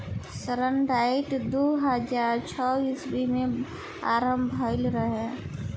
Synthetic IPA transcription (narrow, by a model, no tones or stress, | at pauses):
səɾəɳɖaiʈd̪uɦəd͡ʒaːɾt͡ʃʰɔbiːsbime | aːɾəmbʱəɪlɾəɦɛ̃